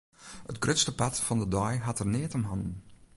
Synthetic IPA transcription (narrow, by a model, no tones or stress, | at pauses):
ətɡrʏtstəpatfɑndədɔjɦɑtərneːtɔmɦɑndn